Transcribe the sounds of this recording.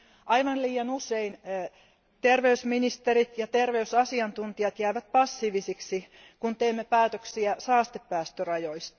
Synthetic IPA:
ʔɑiʋɑnliːjɑnusein | t̪erʋeysminist̪erit̪jɑt̪erʋeysɑsiɑnt̪unt̪iɑt̪jæːʋæt̪̚pɑsːiːʋisiksi | kunt̪eːmːepæːt̪øksiæsɑːst̪epːæːst̪ørɑjoist̪

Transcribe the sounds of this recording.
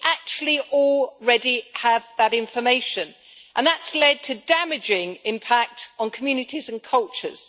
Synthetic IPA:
ʔak̚t͡ʃuəl̩ˠiɔlˠɹɛdiəvðəɾɪ̃ɱfəmeɪʃə̃n | ʔə̃nðətslɛd̚tʰədamɪd͡ʒɪ̃ŋɪ̃mpʰak̚tn̩kʰəmjʉːnɪtʰizə̃nkʰʌlˠt͡ʃə̰z̥

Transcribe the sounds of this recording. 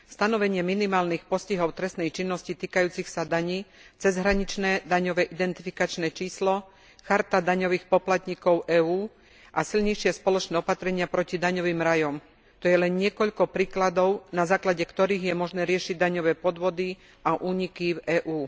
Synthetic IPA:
fst̪anɔʋɛɲɪɛminimaːlnixpɔsciɦɔʊt̪ɾɛst̪nɛjt͡ʃinːɔscit̪iːkajuːt͡sixsad̪aɲiːt͡sɛzɦɾaɲit͡ʃnɛːd̪aɲɔʋɛːʔid̪ɛnt̪ifikat͡ʃnɛːt͡ʃiːslɔ | xaɾt̪ad̪aɲɔʋiːxpɔplat̪ɲikɔʊʔɛːuː | ʔasilɲɛjʃɪɛspɔlɔt͡ʃnɛːɔpat̪ɾɛɲɪapɾɔcid̪aɲɔʋiːmɾajɔm | t̪ɔjɛlɛnɲɪɛkɔʎkɔpɾiːklad̪ɔʊnazaːklaɟɛkt̪ɔɾiːɣjɛmɔʒnɛːɾɪɛʃiɟ̚d̪aɲɔʋɛːpɔd̪ʋɔd̪i | ʔaʔuːɲikivɛːʔuː

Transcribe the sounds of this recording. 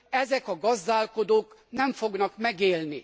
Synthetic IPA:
ɛzɛkɒɡɒzd̪aːlko̞d̪oːknɛɱfoɡnɒkmɛɡeːlni

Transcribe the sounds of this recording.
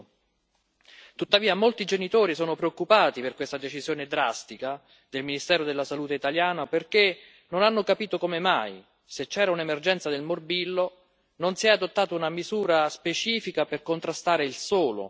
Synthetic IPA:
t̪ut̪ːaviːamolt̪id͡ʒenit̪oːɾisɔːnopɾeokːupaːt̪iperkwest̪ad̪et͡ʃizjoːned̪ɾast̪ika | d̪elminist̪ɛːɾod̪elːasaluːt̪eit̪aljaːnaperk̟e | nonanːokapiːt̪okomema̰j | set͡ʃːɛːɾaunemerd͡ʒɛnt̪sad̪elmorbilːo | nonsiɛad̪ot̪ːaːt̪ounamizuːɾaspet͡ʃiːfikaperkont̪ɾast̪aːɾeilsoːlo̰

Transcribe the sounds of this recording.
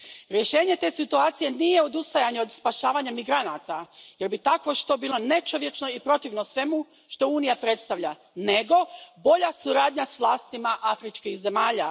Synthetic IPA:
ɾje̞ʃe̞ːɲe̞t̪e̞ːsit̪uaːt̪sije̞nije̞o̞d̪ust̪ajaɲeo̞d̪spaʃaːʋaɲamiɡɾanat̪aje̞ɾbit̪akʋo̞ʃt̪o̞biːlˠo̞ne̞t͡ʃo̞ʋje̞t͡ʃno̞ipɾo̞t̪iʋnosʋe̞mu | ʃt̪o̞uːnijapɾe̞t̪st̪aʋʎa | ne̞ɡo̞bo̞ʎasuɾaːd̪ɲasʋlˠaːst̪imaʔafɾit͡ʃkixze̞maːʎa

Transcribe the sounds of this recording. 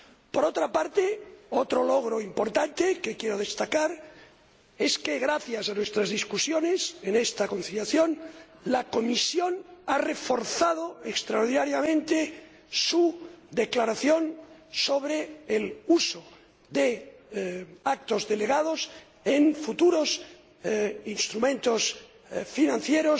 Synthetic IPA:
poɾot̪ɾapaɾt̪eot̪ɾolo̞ɣ̞ɾoimpo̞ɾt̪ant̪ekekjeɾoð̞est̪akaɾ | e̞skeɣɾaθjasanwe̞st̪ɾazðiskusjone̞senest̪ako̞nθiljaθjon | lako̞misjo̞nare̞fo̞ɾθað̞oekst̪ɾaoɾð̞inaɾjamẽnt̪e | sud̪eklaɾaθjo̞nsoβɾeːluso | ðe | ak̚t̪o̞zðe̞le̞ɣaðos | enfut̪uɾos | inst̪ɾumẽnt̪os | finãn̟θjeɾos

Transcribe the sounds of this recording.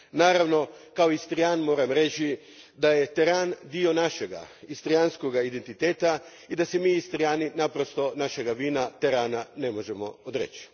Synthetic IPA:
naːɾaʋno̞kaoist̪ɾiaːnmo̞ːɾamɾe̞t͡ʃi | d̪ajet̪eɾaːnd̪io̞naʃeɡa̰ist̪ɾianskoɡaid̪ent̪it̪eːt̪a | id̪asemiːist̪ɾiaːninapɾo̞st̪o̞naʃe̞ɡaʋiːnat̪eɾaːnane̞mo̞ʒe̞mo̞̰od̪ɾḛt͡ʃi̥

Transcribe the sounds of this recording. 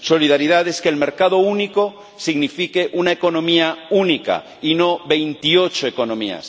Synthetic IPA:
soliðaɾiðaðeskeːlmeɾkaðouniko | siɣnifikeʔunaeko̞nõmiaunika̰ | inoβe̞jnt̪iot͡ʃoeko̞nõmia̰s

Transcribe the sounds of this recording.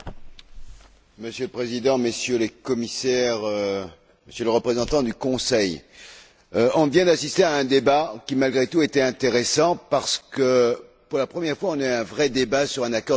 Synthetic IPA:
məsjøləpχezid̪ɑ̃məsjølekɔmisɛʁø | məsjøləʁəpχezɑ̃t̪ɑ̃d̪ykɔ̃sɛj | ɔ̃vjɛ̃d̪asist̪eaɛ̃d̪ebakʲimalɡʁet̪uet̪ɛɛ̃t̪eʁesɑ̃paʁsə̥kəpuʁlapχəmjɛʁfwaɔ̃nɛɛ̃vʁɛd̪ebasyʁɛ̃nakɔʁ

